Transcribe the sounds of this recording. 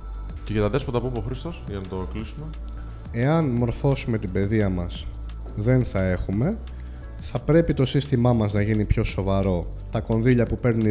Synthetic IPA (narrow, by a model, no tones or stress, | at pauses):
ceʝɐt̪ɐðe̞spot̪ɐpumeoxɾist̪o̞sʝɐnɐt̪o̞klisume̞ | e̞ɐnmo̞ɾfo̞sume̞t̪ibe̞ðiɐmɐs | ðe̞nθɐe̞xume̞ | θɐpɾe̞pit̪o̞sist̪imɐmɐznɐʝinipço̞so̞vɐɾo̞ | t̪ɐko̞nðiʎɐpupe̞ɾni